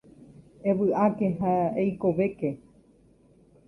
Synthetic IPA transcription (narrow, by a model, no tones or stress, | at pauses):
ẽʋɨʔakeɦaejkoʋeke